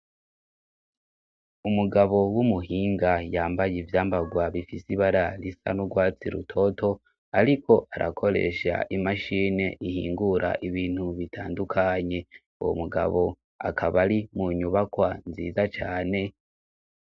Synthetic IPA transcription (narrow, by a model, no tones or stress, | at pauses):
umuɡaβo̞wumuɦiːŋɡajaːmbajivjaːmbaɡwaβifisiβaɾalisa̰noɡwaːt͡sḭɾṵtʰo̞tʰo̞ | aɾikʰo̞ʔaɾʔakʰo̞ɾe̞̰ʃa̰ʔimaʃiːne̞ʔihḭːŋɡuɾʔa̰ʔiβiːn̥huβitʰaːndukʰaɲe̞ | uwo̰muɡa̰βo̞ | a̰kʰaβaɾimuɲuβakwanzḭːzat͡ʃaːne̞